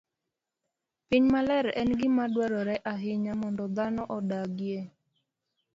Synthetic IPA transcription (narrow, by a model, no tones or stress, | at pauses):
piɲmalɛɾɛnɡɪmadwaɾɔɾɛʔaɦɪɲamɔndɔd̪anɔʔɔdaɡje